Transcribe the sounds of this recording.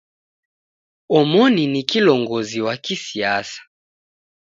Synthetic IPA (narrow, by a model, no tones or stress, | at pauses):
omɔninikilɔŋɡoziwakisiasḁ